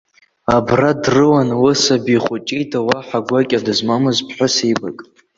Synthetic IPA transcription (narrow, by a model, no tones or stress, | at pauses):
abradrɨwanwɨsabiχʷʊt͡ʃʼejtʰawaħaɡʷakʲʼadɨzmamɨzpʰħʷʊsejba̰kʼ